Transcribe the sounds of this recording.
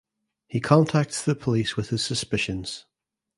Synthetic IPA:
hikʰɒ̃ntʰak̚tðəpʰəliswɪð̥ɪz̥səspɪʃə̃nz̥

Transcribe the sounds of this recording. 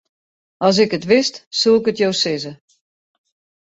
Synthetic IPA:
ɔs̬ɪkətʋɪstsuɪkətjowsɪzə

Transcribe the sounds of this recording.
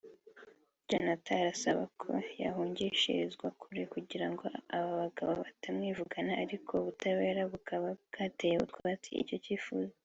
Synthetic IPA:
d͡ʒanataɾasaβa̰kʰo̞̰ja̰ɦuːɲɟiʃḭzɡwakʰuɾekuɟiɾaŋɡo̞aβaβaɡaβaβatamŋiːvuɡanaːɾikʰo̞uβutaβe̞ːɾaβukaβaɡ̥aːtejeṵtkwaβatḭḭcociːfṵza

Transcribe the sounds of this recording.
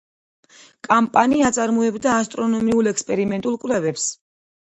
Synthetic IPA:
kʼampʼaniat̪sʼaɾmɔɛbd̪aːst̪ʼɾɔnɔmiulˠɛkspʼɛɾimɛnt̪ʼulˠkʼvlɛvɛps

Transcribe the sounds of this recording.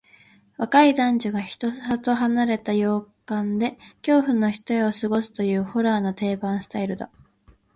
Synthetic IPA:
βakaid̪ãɲd͡ʑoɡaçi̥t̪ohat̪oɦanaɾe̞t̪ajo̞ːkãnd̪e̞kʲo̞ːɸɯ̟̃nːo̞çi̥t̪ojeosɨɡo̞sɨ̥t̪o̞jɯ̟ːho̞ɾaːno̞t̪e̞ːbãɰ̃sɨ̥t̪aiɾɯ̟d̪a̰

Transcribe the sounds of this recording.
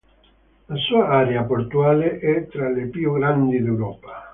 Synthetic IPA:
lasuːaaːɾeapoɾt̪uaːleʔɛt̪ɾalepjuɡɾand̪id̪ewɾɔːpa

